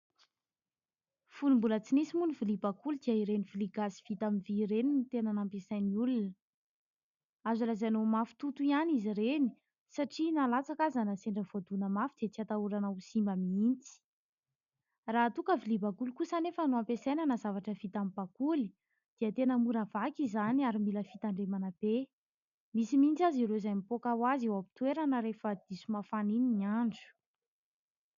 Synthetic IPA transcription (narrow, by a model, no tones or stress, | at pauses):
funimbulət͡sinisimunivilibakulid̪iaiɾeniviliɡaziv̥it̪aminviɾenimit̪enanampesajniulunə | azulazanomafu̥t̪ut̪uianizireni̥ | saʈ͡ʂinalat͡sakazanəseɳɖ͡ʐəvoad̪unəmafid̪̥et͡siat̪auɾanausimbamiint͡si̥ | raːt̪ukəvilibakulikusanefənuampesejnanəzavaʈ͡ʂəv̥it̪amib̥akuli̥ | d̪̥iət̪enəmuɾavakizaniaɾimiləfit̪aɳɖ͡ʐemanəb̥e | misimint͡saziɾozajmipokawaziwapi̥t̪weɾanəɾefəd̪̥isumafanininiaɳd͡zu̥